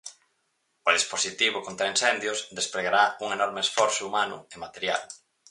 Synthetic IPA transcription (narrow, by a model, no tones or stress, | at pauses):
ʊðisposit̪iβ̞ʊkont̪ɾainsɛnd̪jʊsðespɾeɣaɾauŋenɔɾmeesfɔɾsʊumanʊ̰emat̪eɾja̰l